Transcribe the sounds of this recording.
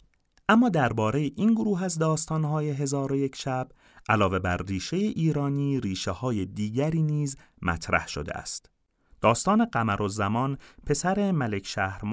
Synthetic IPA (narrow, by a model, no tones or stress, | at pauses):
ʔæmːɒːd̪æɾbɒːɾejeʔinɡoɾuːɦæzd̪ɒːst̪ɒːnɦɒːje̞ɦe̞zɒːɾo̞je̞cʰʃæb | ʔælɒːve̞bæɾriːʃe̞jeʔiːɾɒːniːɾiːʃehɒːjed̪iːɟæɾiːniːz | mæ̰t̪ʰɾæ̰hʃo̰d̪ḛæ̰st̪ | d̪̥ɒːst̪ɒːne̞ɢæmæɾʔozæmɒnpʰe̞sæɾe̞mæle̞cʰʃæːhɾm